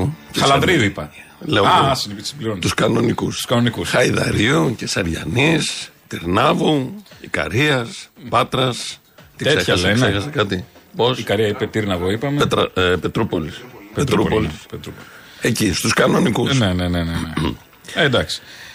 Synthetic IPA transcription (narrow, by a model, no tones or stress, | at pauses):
csɐlɐɾiuipɐleoasinipisibliɾont̪uskɐno̞nikusu̥skɐnonikusxɐiðɐ̰ɾiucesɐɾʝɐ̰nist̪iɾnɐvuikɐ̰ɾiɐspɐt̪ɾɐs | t̪iseçeseksexɐsɐkɐt̪iposikɐɾiɐipet̪iɾnɐvoipɐmeet̪ɾɐ̰pe̞t̪ɾupolispet̪ɾupolispet̪ɾupol | ecist̪uskɐno̞nikusnenenenee | end̪ɐksi̥